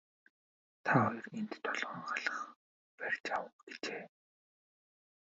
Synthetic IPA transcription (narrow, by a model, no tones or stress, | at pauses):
t̪ʰaːɔjɞ̆rent̪t̪ʰːɔɮʁə̆ːŋχaɮə̥̆χ | pærʲt͡ɕawə̆ɡ̥et͡ɕeː